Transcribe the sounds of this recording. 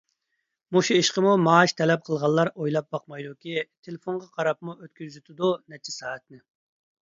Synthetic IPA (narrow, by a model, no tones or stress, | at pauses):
muʃuiʃqəmumɑːʃt̪ʰɛlɛp̚qʰəlˠʁɑlˠːɑɾojlˠɑp̚bɑqmɑjd̪ukʲit̪ʰelɪfonʁɑqʰɑɾɑp̚muøt̪kʲyzyt̪ʰɪd̪unɛt͡ʃʰːisɑːɛt̪̚nɪ